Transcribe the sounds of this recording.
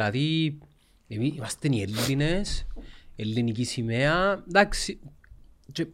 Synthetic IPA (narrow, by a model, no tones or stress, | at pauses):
aði | emimast̪enielːineselːinikisimead̪aksi | t͡ʃe